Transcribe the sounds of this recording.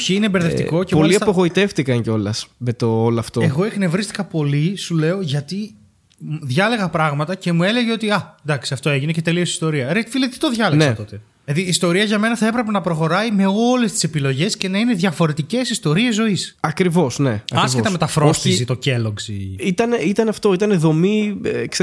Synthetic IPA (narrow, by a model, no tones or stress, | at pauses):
çiinembeɾðeft̪iko̞cepoliɐpoɣo̞it̪e̞ft̪ikɐɲceolɐsme̞t̪oːloɐft̪oeɣo̞eknevɾist̪i̥kɐpo̞lisule̞o̞ʝɐt̪i | ðʝɐle̞ɣɐpɾɐɣmɐt̪ɐce̞mue̞le̞ʝeo̞t̪iɐnd̪ɐksiɐft̪o̞e̞ʝinece̞t̪e̞liosi̥st̪oɾiɐɾet̪ifilet̪it̪o̞ðʝɐlenseɐt̪o̞t̪e̞ | ðiːst̪o̞ɾiɐʝɐme̞nɐθɐe̞pɾe̞p̬e̞nɐpɾo̞xo̞ɾɐime̞o̞le̞st̪ise̞pilo̞ʝe̞sce̞nɐine̞ðʝɐfo̞ɾe̞t̪ice̞sist̪o̞ɾie̞zːo̞isɐkɾivo̞sne̞ɐɐsket̪ɐme̞t̪ɐfɾo̞st̪isit̪o̞ce̞lo̞ɡzḭit̪ɐneit̪ɐnɐft̪o̞it̪ɐneðo̞mikse